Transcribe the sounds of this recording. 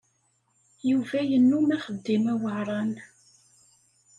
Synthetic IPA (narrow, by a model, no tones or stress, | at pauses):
juvæjənːumæχəd̪ːimæwəʕɾˤɑn